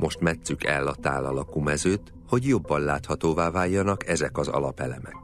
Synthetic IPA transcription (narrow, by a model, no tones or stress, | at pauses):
mo̞ʃt̪mɛt̪sykɛlːɒt̪a̰ːlɒlɒkuːmɛzøːt̪ | ho̞ɟjo̞bːɒnlaːt̪hɒt̪oːvaːvaːjːɒnɒkɛzɛkɒzɒ̰lɒpɛlɛmɛ̰k̚